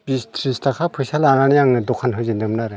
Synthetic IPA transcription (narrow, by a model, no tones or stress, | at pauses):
bistʰɾistakʰapʰɯjsalananijaŋɯdɔkʰanɦɯzindɯmnaɾɯ